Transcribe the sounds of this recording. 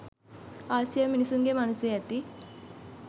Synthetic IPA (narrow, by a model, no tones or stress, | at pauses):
aːsijəminisuŋɡemanusjeat̪i